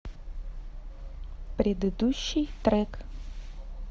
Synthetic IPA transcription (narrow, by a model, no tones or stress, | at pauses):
pɾʲɪd̪ɨd̪uɕːɨjt̪ɾɛk